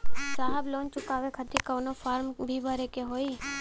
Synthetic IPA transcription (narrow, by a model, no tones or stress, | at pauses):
saːɦəbloːnt͡ʃʊkaːʋekʰət̪ʰikəʋnofʰaːɾmbʱibʱəɾekeɦoːiː